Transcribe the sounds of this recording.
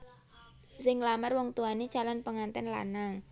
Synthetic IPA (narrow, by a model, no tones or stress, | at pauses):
sɪŋlamərwɔŋt̪uani̥t͡ʃalanpəŋant̪ɛnla̰naŋ